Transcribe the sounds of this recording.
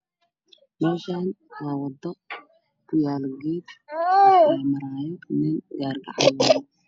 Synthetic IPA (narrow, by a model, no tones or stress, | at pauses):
mɛːʃaːn | waːwɐd̪ɔ | kʰʊjaːlɡeːd̪ | aːmɐɾaːjɛnɪnɡaːrɡa̰ʕja